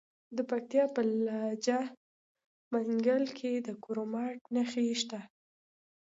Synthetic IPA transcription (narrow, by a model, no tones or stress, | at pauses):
d̪əpak̚t̪ijɑpəlɑd͡ʒa | maŋɡəlkʰed̪əkoɾomɑʈnaxiʃt̪a